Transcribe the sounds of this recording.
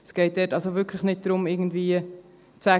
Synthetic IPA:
sɡ̥ɛɪt̚d̥ɛtɑlsoʋʏkʰləχnɪt̚d̥ɾʊmɪɡn̩dviːə | t͡sæ

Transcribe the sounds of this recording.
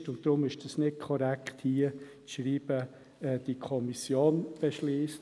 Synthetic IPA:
tʊntd̥̪ɾʊmɪʃd̥ɑsnɪt̚kʰɔɾækχthiət͡sʃriːb̥ə | ɛːd̥ikʰɔmisjoːnb̥ɛʃliːst

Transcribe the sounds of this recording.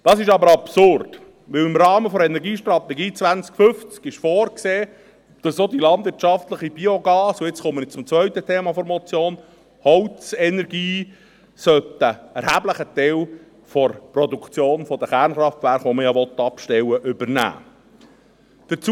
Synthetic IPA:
d̥ɑsɪʃɑbəɾɑpsʊrd̥ | ʋɪwɪmɾɑːməfɔɾɛnɛɾɡiːʃtɾɑt̪ɛɡiːt͡sʋænt͡skfʏft͡skɪʃfɔːɾkseː | d̥ɑsod̪ilɑnd̪vɪɾtt͡ʃɑft̪ləχibioɡɑːsʊɪt͡sχʊmːənɪt͡sʊmt͡sʋœɥt̪ətʰeːmɑfɔɾmɔt͡sjoːn | hɔwt͡sɛnɛɾɡiː | sœtːəɛɾhæbləχət̪ɛw | fɔɾpɾɔd̪ukt͡sjoːnfɔd̥̪əχæɾnχɾɑftvæɾχʋoməjɑʋɔt̪ːɑpʃtɛwəʔʏbəɾnæ̰ː | d̥əɾt͡s

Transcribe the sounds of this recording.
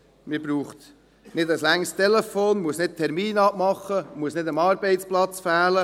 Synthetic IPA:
mɪbruːχt̪ | nɪdəslæŋst̪ʰɛlɛfoːnmuəsnɪd̚tʰɛɾmiːnɑbmɑχːəmuəsnɪdəmɑːɾbeɪtt͡splɑt͡sfæːlə

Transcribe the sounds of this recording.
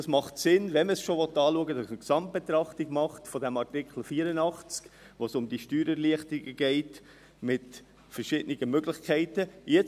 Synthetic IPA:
ɑsmɑχtsɪnʋɛnməsʃoʋɔtɑːluəɡədɑsəksɑmt̚b̥etɾɑχtiɡmɑχtfɔdɛmɑɾtɪkχl̩fiːɾənɑχt͡sk | ʋosʊmdiʃtyːɾɛɾliəχtɪɡəɡ̥ɛɪt | mɪt | fəɾʃɪdəniɡəmøɡlɪχkʰɛɪtəjɛt͡s

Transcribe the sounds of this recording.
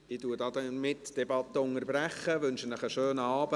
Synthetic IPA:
ɪtuədɑːdɛmɪtd̥ɛbɑt̪ːəʊŋəɾbɾæχəʋɵnʃənəχəʃøːnəɑːbə

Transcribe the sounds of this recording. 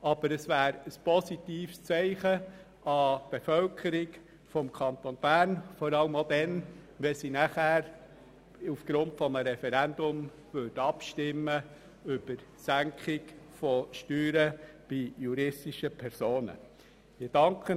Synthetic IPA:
ɑb̥əɾəsvʋæːɾəspʰɔsit̪iːfst͡sɛɪχə | ɑb̥efœlkʰəɾɪɡ | fɔmkʰɑnt̪onb̥æːɾnfɔɾɑləmod̪ɛn | ʋɛsinæχæːɾ | ufɡ̥ɾʊntfɔməɾɛfɛɾænd̪ʊm | vødɑpʃtɪmːə | ʏb̥əɾ | sæŋkχɪɡfɔʃtyːɾəb̥ijuɾɪstɪʃəpʰɛɾsoːnə̰ | mɪd̥ɑŋkʰχə

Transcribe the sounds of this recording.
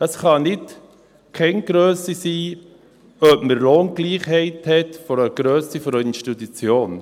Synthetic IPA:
əsχɑnɪt | kʰɛɪnɡ̥ɾøːsisiː | œbməɾloːnɡliːχhɛɪthɛtfɔɾəɡ̥ɾøːsifɔɾœʏnəʃtut̪ut͡sjoːn

